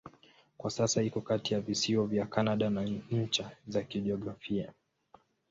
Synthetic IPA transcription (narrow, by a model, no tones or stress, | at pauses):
kwasasaikɔkatijavisiɔvjakanaɗanaɲ̩t͡ʃazakiɗiɔɡɾafia